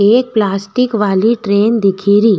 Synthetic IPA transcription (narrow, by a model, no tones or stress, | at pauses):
eːk̚plaːsʈɪkʋaːliʈɾeːnd̪ɪkʰiɾiː